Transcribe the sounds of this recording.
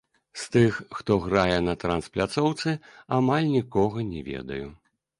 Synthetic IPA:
st̪ɨxːt̪ɔɣɾajɛnɐt̪ɾɐnsplʲat̪sɔwt̪sɨamalʲnʲikɔɣɐnʲɛvʲɛ̰d̪ɐ̰ju

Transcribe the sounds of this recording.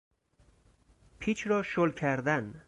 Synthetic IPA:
pʰit͡ʃʰɾɒːʃolkʰæɾd̪æn

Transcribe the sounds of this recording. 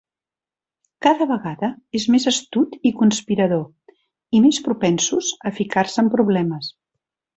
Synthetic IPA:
kaðəβəɣaðəezmezəst̪ut̪ikunspiɾəðo | imespɾupɛnsuzəfikarsəmpɾuβlɛməs

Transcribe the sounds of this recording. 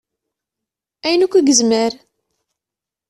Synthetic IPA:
æjənukʷːæɡəzməɾ

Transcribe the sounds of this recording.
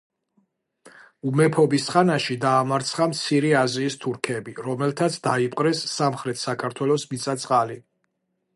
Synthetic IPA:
umɛpʰɔbisχanaʃid̪aːmaɾt̪sʰχamt̪sʰiɾiaziːst̪ʰuɾkʰɛbiɾɔmɛlt̪ʰat̪sʰd̪aipʼqʼɾɛsːamχɾɛt̪ʰsakʰaɾt̪ʰwɛlɔsmit̪sʰʼat̪sʼqʼali

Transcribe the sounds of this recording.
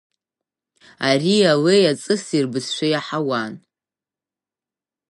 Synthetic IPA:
ariawejat͡sʼɨsirbɨzʃʷᶣajaħawan

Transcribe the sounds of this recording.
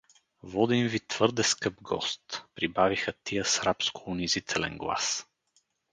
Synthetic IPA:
vɔd̪invit̪v̥ɤɾd̪ɛskɤbɡɔ̰st̪pɾibavixət̪ijəsɾapskʊʊnizit̪ʰɛlɛ̰nɡlˠa̰s

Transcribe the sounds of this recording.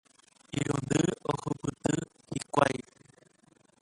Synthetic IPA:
iɾũnd̪ɨohukɨt̪ɨ | hikʷaj

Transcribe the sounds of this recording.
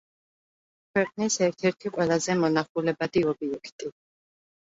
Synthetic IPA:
kʰwɛqʼnisɛɾt̪ʰɛɾt̪ʰiqʼwɛlˠazɛmɔnaχulɛbad̪iɔbiɛkʰt̪ʼi

